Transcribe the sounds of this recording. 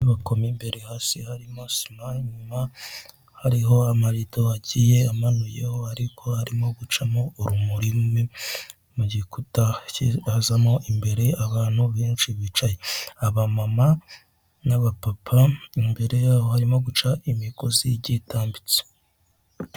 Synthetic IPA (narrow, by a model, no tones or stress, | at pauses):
βako̞mimbe̞ɾehaːsihaɾimo̞simaɲuma | haɾiɦo̞amaɾitoaɟije̞amanuje̞̰ho̞haɾikʰo̞haɾimo̞ɡut͡ʃamo̞uɾumuɾimwe | muɟikutaihazamo̞ʔimbe̞ɾe̞aβaːn̥huβiːnt͡ʃiβit͡ʃajeaβamama | naβapapʰaimbe̞ɾe̞jaːho̞haɾimo̞ɡut͡ʃaʔimikoziɟitaːmbit͡se̥